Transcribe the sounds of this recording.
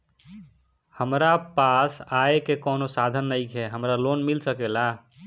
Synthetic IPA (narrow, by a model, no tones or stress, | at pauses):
həmɾapasaekekɔːnosad̪ʱənːəjkɦɛɦəmɾalonmilsəkela